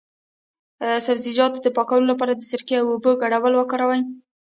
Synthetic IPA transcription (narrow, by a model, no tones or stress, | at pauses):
sabziʒɑt̪d̪əpɑkawəlolap̬ɑɾad̪əsɪɾkeawobəɡaɽawəlwəkɑɾawaj